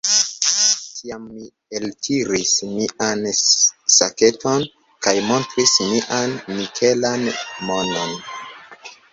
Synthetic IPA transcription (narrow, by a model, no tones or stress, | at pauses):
tʰiamːi | eltʰiɾismiʔansake̞to̞n | kajmo̞ntɾismiʔanːikʰe̞lanmo̞no̞n